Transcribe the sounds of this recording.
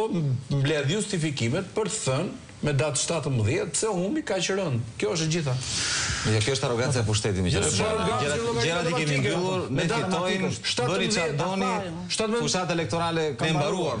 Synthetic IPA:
ɔmblɛðjust̪ifikimɛt̪̚pəɾt̪ə̥θən | mɛd̪at̪ʃt̪at̪əməðjɛt̪sɛhumikat͡ɕəɾɔnkjɔəʃ̬d͡ʑiθamɛkjɔɛʃt̪aɾɔɡant͡saɛpuʃt̪ɛt̪imɛɛ̰aɾɔɡaɛɾakɛɾat̪ikɛmiŋɡilˠuɾnmɛd̪ait̪ɔjnʃt̪atbəniðɛd̪ɔni | ʃt̪at̪məpuʃt̪at̪aɛlɛk̚t̪ɔɾalɛkaimbaɾuaɾ

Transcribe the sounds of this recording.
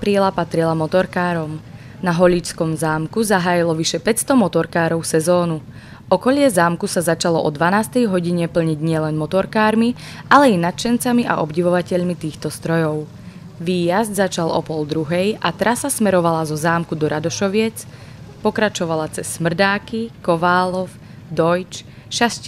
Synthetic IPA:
apɾilapat̪ɾilamɔt̪ɔɾkaːɾɔm | naɦɔʎit͡ʃt͡skɔmzaːmkuzaɦaːjilɔʋiʃɛpɛcst̪ɔmɔt̪ɔɾkaːɾɔʊsɛzɔːnu | ʔɔkɔʎɪɛzaːmkusazat͡ʃalɔʔɔd̪ʋanaːst̪ɛjɦɔɟiɲɛpl̩ɲiɟɲɪɛlɛnmɔt̪ɔɾkaːɾmi | ʔalɛinat̪̚t͡ʃɛnt͡samiʔa̰ʔɔbɟiʋɔʋacɛʎmit̪iːxt̪ɔst̪ɾɔjɔʊ | ʋiːjazd̪zat͡ʃalʔɔ̰pɔld̪ɾuɦɛjʔat̪ɾʔasasmɛɾɔʋalazɔzaːmkud̪ɔɾad̪ɔʃɔʋɪɛt͡s | pɔkɾat͡ʃɔʋalat͡sɛsːmr̩d̪aːkikɔʋaːlɔf | d̪ɔjt͡ʃʃasc

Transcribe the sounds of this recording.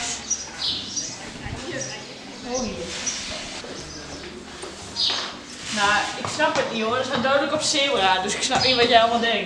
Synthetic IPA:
oi | naɪksnapətnioədəsadœɥdələkɔpsɪəwraːdøsɪksnapiʋɔtjɛɔlˠmɔnˠdɛŋ

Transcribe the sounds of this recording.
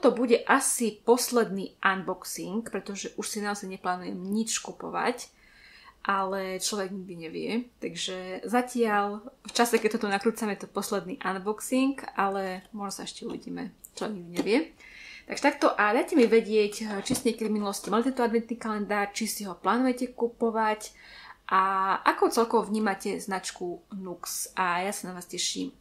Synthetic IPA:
t̪ɔbuɟɛʔasipɔslɛd̪niːʔanbɔksiŋkpɾɛt̪ɔʒɛʔuʃsinaɔzajɲɛplaːnujɛmɲit͡ʃkupɔ̰ʋa̰c | ʔalɛt͡ʃlɔʋɛɡɲiɡ̚d̪iɲɛʋɪɛt̪aɡʒɛzacɪalft͡ʃasɛkɛc̚t̪ɔt̪ɔnakɾuːt͡samɛjɛt̪ɔpɔslɛd̪nḭʔanbɔksiŋkalɛmʊɔʒnɔsaɛʃcɛuʋḭɟḭːmɛt͡ʃlɔʋɛɡɲiɡd̪iɲɛʋɪɛ | t̪aɡʒ̥ɛt̪ak̚t̪ɔʔad̪ajcɛmiʋɛɟɪɛct͡ʃisiɲɛkɛd̪ivminulɔscimalit̪ɛnt̪ɔad̪ʋɛnt̪niːkalɛnd̪aːrt͡ʃisiɦɔplaːnujɛcɛkupɔʋacʔaʔakuʊt͡sɛlkɔʋɔvɲiːmacɛznat͡ʃkunuksʔajasanaʋaːscɛʃḭːm

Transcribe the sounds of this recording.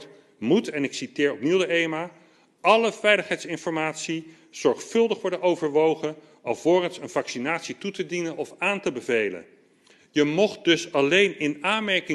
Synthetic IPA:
mutɛnɪksitɪːɹɔp̚niwdəejma | ʔɑləvɛjləχɦɛjtsɪnfɔɹmaːtsi | z̥ɔɹχfɵlˠdəχʋɔɹdənowvəɹʋowχən | ɑlˠvoːrənsənvɑksinaːtsitutədinənɔfaːntəbəvejlə̰n | jəmɔχt̚dɵsɑlejnɪnaːnmɛɹkɪ

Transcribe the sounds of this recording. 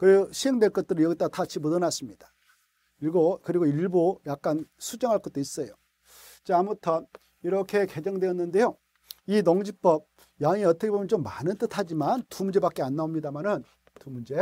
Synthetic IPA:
kɯɾeɡoɕʰiɦe̞ŋdwe̞ɭk͈ʌt̚t͈ɯɾɯɭjʌɡit͈atat͡ɕʰimodʌnas͈ɯmɲid̥ḁ | iɡokɯɾiɡoiɭbojak̚k͈ansʰud͡ʑʌŋɦaɭk͈ʌt̚t͈ois͈ʌjo | t͡ɕeamutʰʌn | iɾʌkʰe̞ke̞d͡ʑʌŋdweʌnːɯnde̞jo | inoŋd͡ʑik̚p͈ʌb̚ | jaŋiʌt͈ʌkebomjʌnt͡ɕomːanɯnt͈ɯtʰad͡ʑimantumund͡ʑe̞bak͈e̞anːaomɲidamanɯn | tumund͡ʑe̞

